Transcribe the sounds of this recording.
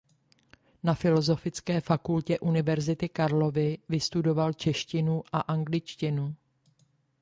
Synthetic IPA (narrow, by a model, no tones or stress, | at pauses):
nafɪlo̞zo̞fɪt͡skɛːfakulcɛʔunɪvɛɾzɪt̪ɪkaɾlo̞vɪvɪst̪udo̞valt͡ʃɛʃcɪnuʔaʔaŋɡlɪt͡ʃcɪnu